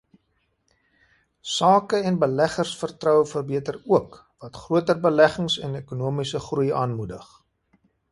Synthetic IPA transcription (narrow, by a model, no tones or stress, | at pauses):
sɑːkəɛnbəlæχərsfərtrœwfərbiətəruək | vɐtχruətərbəlæχəŋsɛnekunuəmisəχrujɑːnmudəχ